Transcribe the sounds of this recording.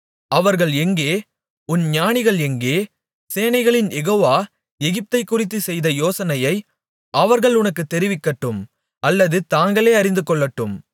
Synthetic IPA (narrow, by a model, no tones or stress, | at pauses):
ʔɐʋɐɾɣɐɭɛŋɡeː | ʊnɲaːnɪɣɐɭɛŋɡeː | seːnɐɪɣɐɭɪnjɛɣoːʋaː | ɛɣɪp̚t̪ɐɪkːʊrɪt̪̬ːɯsɛjðɐjoːsɐnɐjɐɪ | ʔɐʋɐɾɣɐɭʊnɐkːɯt̪ːɛɾɪʋɪkːɐʈːɯm | ʔɐlːɐðɯt̪aːŋɡɐɭeːɐɾɪnd̪ɯkːɔɭːɐʈːɯm